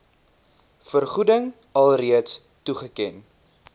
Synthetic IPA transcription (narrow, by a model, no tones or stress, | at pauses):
fərχudəŋ | ɐlˠriəts | tuχəkɛn